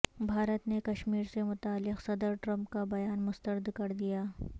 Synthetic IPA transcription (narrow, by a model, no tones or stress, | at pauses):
bʱaːɾət̪nekɐʃmiːɾsemʊt̪aːlːɪqsɐd̪əɾʈɾɐ̃mpkabɐjaːnmʊst̪əɾd̪kɐɾd̪ijaː